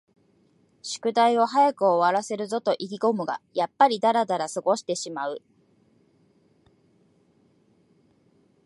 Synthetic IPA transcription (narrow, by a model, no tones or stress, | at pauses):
ɕɨ̥kɯ̟d̪aio̞ɦajakɯ̟oβaɾase̞ɾɯ̟zo̞t̪o̞ʔikʲiɡo̞mɯ̟ɡa̰japːaɾʲid̪aɾad̪aɾasɨɡo̞ɕi̥t̪e̞ɕimaɯ̟